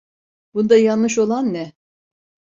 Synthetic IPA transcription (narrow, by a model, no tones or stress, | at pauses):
bund̪ajanːɯʃ̬o̞lˠanːɛ